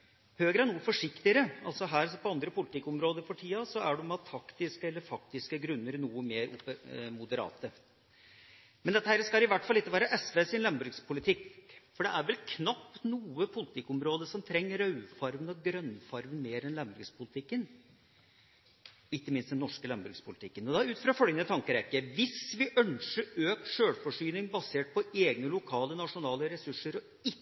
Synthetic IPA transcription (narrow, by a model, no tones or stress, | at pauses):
høːɡɾəæɳuːəfɔʂɪkt̪ɪəɾəɑ̰lsɔɦæːɾsɔpʰɔɑnd̪ɾəpʊlɪt̪ɪkːɔmɾoːd̪əɾfɔʈʰiːɑsɔæɖɛmɑt̪ʰːɑkt̪ɪskəɛlːəɾfɑkt̪ɪskəɡɾʉnːəɾnuːəmeːɾʊ̰pəmʊd̪əɾɑ̰ːt̪ə | mɛnd̪ɛt̪ːəhæːɾəskɑɪʋæʈːfɑlːɪkːəʋæːɾəʔɛsʋeːsɪnlɛmbʉɡspʰʊlɪt̪ʰɪkːfɔɖɛʔæɾʋɛlkʰnɑpːnuːəpʰʊlɪt̪ʰɪkːʊmɾoːd̪əsɔmt̪ʰɾɛŋːəɾœʉfɑɾʋənɔɡɾœnfɑɾʋənmeːɾɛnlɑmbɾʉɡspʰʊlɪt̪ʰɪkːən | ɪkːəmɪnst̪ɛnɔʂkəlɑmbɾʉ̰ɡspʰʊlɪt̪ʰɪkːənɔd̪ɑʉːt̪fɾɑfœlɡənət̪ʰɑŋkəɾɛkːəʋɪsʋɪʔœnʂəɾøːk̚ʂøːɽfɔʂyːnɪŋbɑseːʈ̚pʰɔeːɡnəlʊkʰɑːlənɑʂʊnɑːləɾɛsʉʂːəɾɔ | ɪ